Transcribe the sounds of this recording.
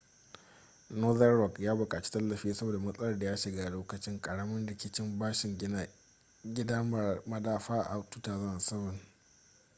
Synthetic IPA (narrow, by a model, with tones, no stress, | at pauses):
noː˦ðɐ˦rɾɔ˨kjaː˦bʊ˨kʼaː˨t͡ʃi̥˦tɐ˦lːɐ˨ɸiː˦sɐ˦boː˨da˨mɐ˦sʼɐ˦lɐ˦rda˨jaː˦ʃɪ˨ɡaː˦loː˦kɐ˨t͡ʃɪ˦ŋkʼɐ˨ɽɐ˦mɐ˦nɽɪ˨kʲɪ˦t͡ʃɪ˦mbaː˦ʃɪ˨ŋ | ɡʲɪ˦daː˦mɐ˦daː˦ɸaː˦˨ʔa˨tu˦taː˨zɐ˦a˨sɐ˦bɐ˨n